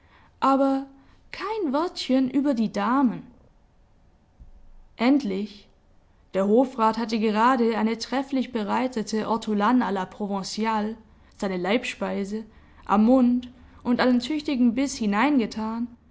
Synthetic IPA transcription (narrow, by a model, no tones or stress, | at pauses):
ʔaːbɐ | kʰaɪnvɔɐtçənʔyːbɐdiːdaːmən | ʔɛntlɪç | d̥eːɐɦoːfʁaːthatəɡəʁ̞aːdəaɪnətʁ̥ɛflɪçb̥əʁaɪtətəʔɔɐtʰulanalapʁ̥ovɛ̃t͡sjaːl | z̥aɪnəlaɪpʃpaɪzə | ʔa̰mːʊntʔʊntʔanentʰʏçtɪɡŋ̩bɪshɪnaɪnɡətʰaːn